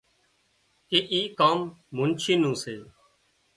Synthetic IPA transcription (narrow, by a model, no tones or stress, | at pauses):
keːʔiːkaːmːʊnt͡ʃʰiːnũːseː